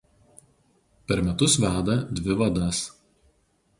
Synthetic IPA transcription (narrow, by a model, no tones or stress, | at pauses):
pʲɛɾmʲɛt̪ʊsʋʲæːd̪ɐd̪ʲʋʲɪʋɐd̪ɐs